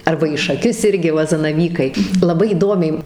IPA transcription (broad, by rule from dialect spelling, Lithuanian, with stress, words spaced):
ˈɐrbɐ iː ʃɐˈkʲʊs ˈɪrʲɡʲɪ ˈʋɐ zɐnɐˈʋʲiːkɐɪ lˠɐˈbɐɪ iːˈdoːmʲɛɪ